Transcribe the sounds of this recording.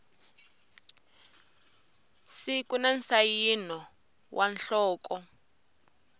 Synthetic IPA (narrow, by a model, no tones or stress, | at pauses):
sikunansajinɔ | wʔanɬɔːkɔ